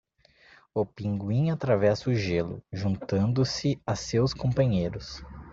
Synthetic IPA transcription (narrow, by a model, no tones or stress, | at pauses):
opĩŋɡwĩɲat̪ɾavɛsʊʒelʊ̰ʒũnt̪ɐ̃nd̪ʊsɪasewskõpɐ̃ɲejɾʊs